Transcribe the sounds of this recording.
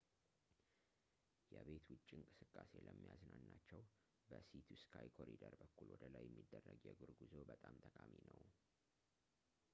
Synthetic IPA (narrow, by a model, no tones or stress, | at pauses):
jɛβe̞t̪wʊt͡ʃʼːiŋkʼɨsɨkʼːase̞ləmːijaznanːat͡ʃːɛw | bəsit̪ʰuskʰajkʰo̞ɾid̪əɾbəkːulwɔd̪əlajːɛmːid̪ːərːəɡjɛɡuɾɡuzo̞bət̪ʼamt̪ʼəkʼaminəw